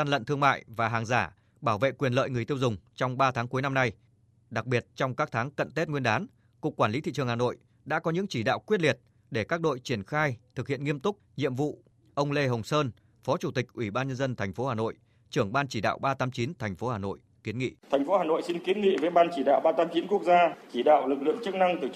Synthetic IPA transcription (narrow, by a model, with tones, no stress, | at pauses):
a˧nlə̰˧˨nt̪ʰɨ˧əŋma̰ː˧˨jvaː˨˩ɦaː˨˩ŋzaː˧˩ | ɓaː˧˩wvḛ˧˨kwi˨˩ənlə̰ː˧˨jŋɨ˨˩əjt̪i˧əwzʊ˨˩ŋ͡mt͡ɕɔ˧wŋ͡mɓaː˧t̪ʰaː˨˦ŋku˨˦jna˧mna˧j | ɗa˨˩k̚ɓi˨˩ət̚t͡ɕɔ˧wŋ͡mkaː˦˥k̚t̪ʰaː˨˦ŋkə̰˧˨nt̪e˦˥t̚ŋwi˧ənɗaː˨˦n | kʊ˨˩k̚ːwaː˧˩li˨˦t̪ḭ˧˨t͡ɕɨ˨˩əŋhaː˨˩no̰˧˨j | ɗa̰ː˧˥kɔ˨˦ɲɨ̰˧˥ŋt͡ɕi˧˩ɗa̰ː˧˨wkwi˦˥ət̚li˨˩ət̚ | ɗe˧˩kaː˦˥k̚ɗo̰˧˨jt͡ɕi˧˩ənxaː˧jt̪ʰɨ˨˩k̚hḭ˧˨ənŋi˧əmt̪ʊ˦˥k͡p̚ɲḭ˧˨əmvṵ˧˨ | ʔə˧wŋ͡mle˧ɦə˨˩wŋ͡msəː˧n | fɔ˨˦t͡ɕu˧˩t̪ï˨˩k̟̚ʔwi˧˩ɓaː˧nɲə˧nzə˧nt̪ʰjŋ̟fo˨˦haː˨˩no̰˧˨j | t͡ɕɨ˧˩əŋɓaː˧nt͡ɕi˧˩ɗa̰ː˧˨wɓaː˧t̪aː˨˦mt͡ɕi˨˦nt̪ʰjŋ̟fo˨˦haː˨˩no̰˧˨j | ki˨˦ənŋḭ˧˨t̪ʰɛ˨˩jŋ̟fo˨˦haː˨˩no̰˧˨jsi˧nki˨˦ənŋḭ˧˨ve˨˦ɓaː˧nt͡ɕi˧˩ɗa̰ː˧˨wɓaː˧t̪aː˨˦mt͡ɕi˨˦nku˦˥ək̚zaː˧t͡ɕi˧˩ɗa̰ː˧˨wlɨ˨˩k̚lɨ̰˧˨əŋt͡ɕɨ˦˥k̚na˧ŋt̪ɨ˨˩